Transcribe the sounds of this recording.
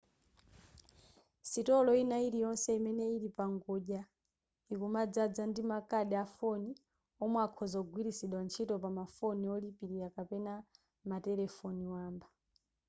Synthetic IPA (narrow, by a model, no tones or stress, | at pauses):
sitɔlɔinaiɾijɔnsɛimɛnɛiɾipaŋɡɔʄa | ikumad͡zad͡zandimakaɗɛafɔni | ɔmwakʰɔzɔɡwiɾisiɗwant͡ʃʰitɔpamafɔniɔlipiɾiɾakapɛna | matɛlɛfɔniwaːmba